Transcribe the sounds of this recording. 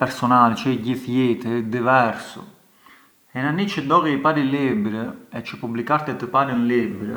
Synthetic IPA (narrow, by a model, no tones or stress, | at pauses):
pɛɾsɔnalɛt͡ʃɛiɟiθjɛt̪əd̪ivɛɾsɔ̰ | ɛnanːit͡ʃəd̪ɔɣɛipaɾilibɾəɛt͡ʃəpublikaɾt̪ɛt̪əpaɾənlibɾə